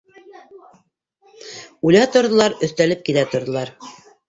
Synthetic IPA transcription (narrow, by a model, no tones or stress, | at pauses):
ujlɑt̪ŏɾðŏlˠɑɾɵ̆θt̪ælɘp̚kilæt̪ŏɾðŏlˠɑɾ